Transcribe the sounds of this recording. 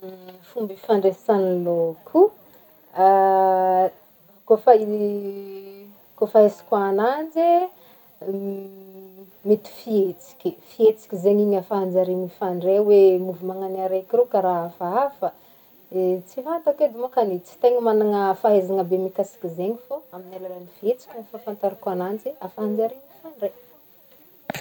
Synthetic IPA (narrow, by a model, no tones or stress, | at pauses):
fumbifaɳɖ͡ʐesanlokʰu | a | kofai | kofaesi̥kʲaːnand͡ʒe | met̪i̥fiet͡si̥kʲifiet͡si̥kʲizeɲiɲafaand͡ʒaɾinifaɳɖ͡ʐewemuvimaŋanaɾekiɾekaɾaɦafaafə | t͡sifant̪aked̪imakanet͡si̥t̪eŋəmanaŋəfaɦezaŋəbemikasi̥kizeɲifoaminelalanifiet͡si̥kʲunifafant̪aɾakanand͡ʒeafaɦand͡zaɾinifaɳɖ͡ʐe